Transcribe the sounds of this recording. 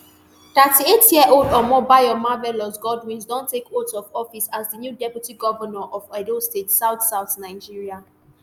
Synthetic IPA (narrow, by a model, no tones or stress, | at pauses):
t̪ətietjiɛʔoldɔmɔbaɪɔmavɛlɔsɡɔdwĩnsdɔ̃ntekotɔkɔfisazdənjudɛpjutiɡɔvənɔʔɔfadostetsaʊθsaʊθnaɪd͡ʒiɹia